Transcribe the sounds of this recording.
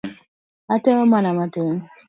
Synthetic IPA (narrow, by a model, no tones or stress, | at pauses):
ateŋɔmanamateŋ